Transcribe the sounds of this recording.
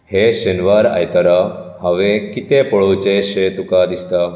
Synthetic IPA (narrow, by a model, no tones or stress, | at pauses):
heʃenʋaɾa̰jt̪ɐɾaɦɐʋekit̪epəɭot͡ʃeʃet̪ukad̪ist̪a